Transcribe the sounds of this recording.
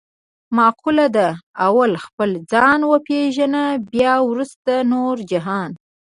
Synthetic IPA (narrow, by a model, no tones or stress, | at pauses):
mɑqulad̪aawalxpəld͡zɑnwəpeʒanabjɑwɾust̪anoɾd͡ʒɪɦɑn